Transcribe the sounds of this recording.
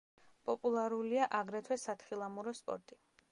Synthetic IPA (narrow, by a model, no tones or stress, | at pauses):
pʼɔpʼulˠaɾuliaʔaɡɾɛt̪ʰwɛsat̪χilˠamuɾɔspʼɔ̰ɾt̪ʼi